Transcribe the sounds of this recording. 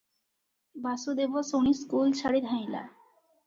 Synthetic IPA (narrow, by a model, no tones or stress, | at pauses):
basud̪ebosoniskulʃaɽid̪ʱajla̰